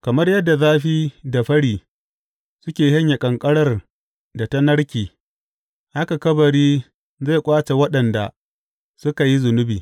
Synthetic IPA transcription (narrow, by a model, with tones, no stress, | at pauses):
kɐ˨mɐ˦rjɐ˦dːa˨zaː˦ɸiː˦da˨ɸɐ˦ɽiː˨ | sʊ˦kʲeː˨hɐ˦ɲja˨kʼɐ˨ŋkʼɐ˦ɽɐ˦r | da˨tɐ˦nɐ˦ɽkʲiː˨ | ha˦ka˨kɐ˦bɐ˨ɽiː˦ | za˦˨kʷʼaː˦t͡ʃe˨wɐ˦ɗɐ˨nda̰˨ | sʊ˦ka˨ji˦zʊ˨nʊ˦bḭː˨